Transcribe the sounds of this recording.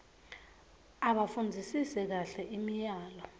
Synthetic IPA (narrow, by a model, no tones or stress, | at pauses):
aɓafund͡zʱisisɛk̬aɬɛʔimijaːlɔ